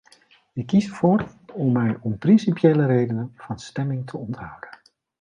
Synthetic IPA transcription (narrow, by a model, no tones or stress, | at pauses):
ɪkːisəv̥ʊːrɔmːɛjɔmprɪnsipjejləɾejdənənv̥ɑnstɛmɪŋtʰəɔntɦʌwdən